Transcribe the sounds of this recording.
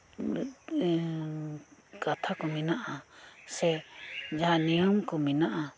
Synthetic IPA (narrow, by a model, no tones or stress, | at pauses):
kat̪ʰakɔminaʔasɛd͡ʒaɦãnijɔmkɔminaʔa